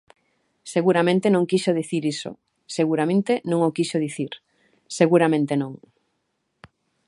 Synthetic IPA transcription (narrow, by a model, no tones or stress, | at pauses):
seɣuɾamẽnt̪enõŋkiʃoðiθiɾiso̰ | seɣuɾamẽnt̪enõŋokiʃoðiθiɾ | seɣuɾamẽnt̪enõŋ